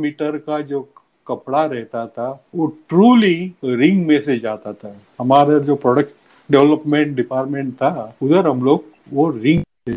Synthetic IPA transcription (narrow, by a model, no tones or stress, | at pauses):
miːʈəɾkad͡ʒoː | kɐpɽaɾɛɦt̪at̪ʰaʋoːʈɾuːliɾɪ̃ŋɡmẽsed͡ʒaːt̪at̪ʰa | ɦɐmaːɾed͡ʒoːpɾɔːɖək̚ʈ | ɖɛʋləpmẽɳʈɖɪpaːɾʈmẽːɳʈt̪ʰaʊd̪əɾɦɐmloːɡ | ʋoɾɪ̃ŋɡt̪ʰe